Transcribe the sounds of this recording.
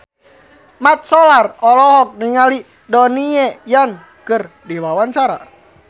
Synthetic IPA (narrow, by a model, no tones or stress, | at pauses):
mat̪̚sɔlarɔlɔɦɔk̚niŋali | dɔniɛjan | kɨr | diwawaɲt͡ʃaɾa̰